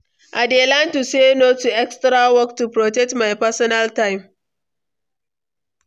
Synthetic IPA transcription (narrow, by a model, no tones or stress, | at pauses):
ʔadelãntusenotuɛkstɾawɔk̚tupɾɔtɛk̚tmajpɛsɔnaltaɪm